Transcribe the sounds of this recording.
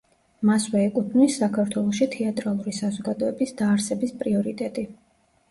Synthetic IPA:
maswɛːkʼut̪ʰnisːakʰaɾt̪ʰwɛlˠɔʃit̪ʰɛat̪ʼɾalˠuɾisazɔɡad̪ɔɛbisd̪aːɾsɛbispʼɾiɔɾit̪ʼɛt̪ʼi

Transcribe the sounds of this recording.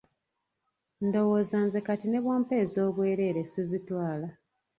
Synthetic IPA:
ndo̞wo̞ːzanze̞katine̞βwo̞ːmpe̞ːzo̞ːβwe̞ːɾe̞ːɾe̞sizitwaːla

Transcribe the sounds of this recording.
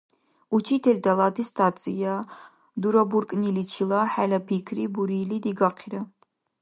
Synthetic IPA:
ut͡ʃʰit̪ʰelʲd̪alˠat̪ʰist̪ʰat͡sʼḭja | d̪uɾaburkʼnilit͡ʃʰilaħalapʰikʰribuɾilid̪iɡaqʰiɾɐ

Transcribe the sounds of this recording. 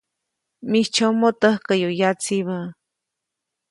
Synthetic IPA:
mit͡ʃʰomot̪əhkəjojat͡siβə

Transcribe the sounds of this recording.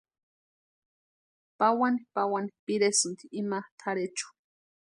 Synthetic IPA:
pawanipawani̥piɾesʊnt̪iːmat̪ʰaɾet͡ʃʊ̥

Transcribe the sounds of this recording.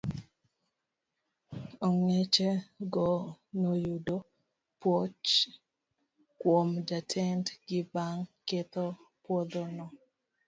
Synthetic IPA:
ɔŋet͡ʃɛɡɔnojudo | pwot͡ʃ | kwomd͡ʒatʰɛntɡɪbaŋket̪opwɔd̪onɔ

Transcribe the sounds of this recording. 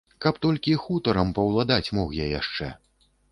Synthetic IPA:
kɐpt̪ɔlʲkʲixut̪ɐɾɐmpɐwlˠad̪at͡sʲmɔxjajaʂt͡ʂɛ̰

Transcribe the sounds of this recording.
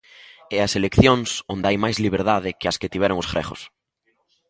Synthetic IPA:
ɛɐselekθjoŋsond̪ɪajmajzliβ̞eɾðaðɪkɪɐskɪt̪iβ̞ɛɾoŋʊsfɾɛ̰χʊ̰s

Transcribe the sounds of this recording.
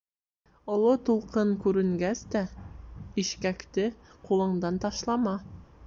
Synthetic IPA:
ŏlˠɤt̪ulˠqɤɴkʉɾɘ̆ŋɡæst̪æ | iʃkækt̪ɘqulˠɤ̆ɴd̪ɑnt̪ɑʃlˠɑmɑ

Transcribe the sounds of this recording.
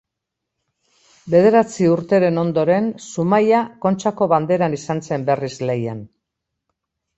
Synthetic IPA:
be̞ð̞e̞ɾat͡siuɾt̪e̞ɾe̞no̞nd̪o̞ɾe̞nsumajako̞nt͡ʃako̞βand̪e̞ɾanisanse̞mbe̞rizle̞jan

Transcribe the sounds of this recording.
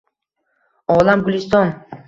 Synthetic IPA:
ɒlamɡʊlist̪ɒn

